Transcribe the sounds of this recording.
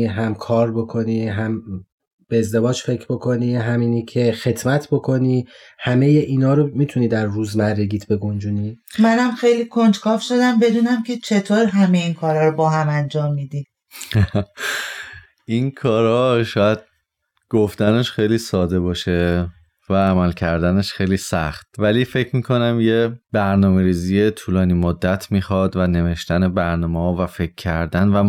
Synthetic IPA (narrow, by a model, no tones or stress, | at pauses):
ɦæmkʰɒːɾbo̞kʰo̞niːɦæm | b̥eːzd̪e̞vɒːd͡ʒfe̞cʰɾbo̞kʰo̞niːɦæmiːnecʰe̞xe̞t̪mæt̪ʰbo̞kʰo̞niː | hæme̞je̞ʔiːnɒːɾomiːt̪ʰuniːd̪æɾːuːzmæɾːeɟiːd̪be̞ɡo̞nd͡ʒuːnimænæmxejlikʰond͡ʒkʰɒːfʃo̞d̪æmbe̞d̪uːnæmcʰet͡ʃʰe̞t̪ʰoːɾɦæmejinkʰɒːɾɒːɾobɒːɦæmænd͡ʒɒːmːid̪i | ʔinkʰɒːɾɒːʃɒːjæd̪̥̚ | ɡ̥oft̪æneʃxejliːsɒːd̪e̞bɒːʃe | væːmælcʰæɾd̪æneʃxejliːsæxt̪̚væliːfe̞cʰmiːkʰo̞næmje̞bæɾnɒːme̞ɾiːziːjet̪ʰuːlɒːniːmod̪ːæt̪ʰmiːxɒːd̪væne̞ve̞ʃt̪ænebæɾnɒːmeɒːvæfe̞cʰːæɾd̪ænvæ